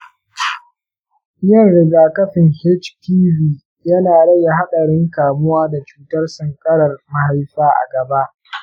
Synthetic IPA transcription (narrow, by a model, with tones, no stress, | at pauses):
jɔ˦˨nɽɪ˨ɡaː˨kɐ˦ɸɪ˨ŋhɛ˦t͡ʃpʰiː˦viː˦ | jɐ˦naː˨ɽɐ˦ja˨ɦa˦ɗɐ˨ɽɪ˦ŋkaː˨mʊ˦waː˦da˨t͡ʃuː˨tɐ˦rsɐ˨ŋkʼɐ˦ɽɐ˨rma˦ha˦jɸaː˦ʔa̰˨ɡɐ˨ba˦ʔ